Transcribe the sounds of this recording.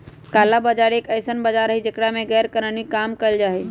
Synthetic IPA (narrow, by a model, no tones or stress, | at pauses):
kaːlabəd͡ʒaɾeːkəɪsənbəd͡ʒaɾəɦid͡ʒekɽamẽɣɛːɾkəɾənikaːmkəɪld͡ʒaːɦe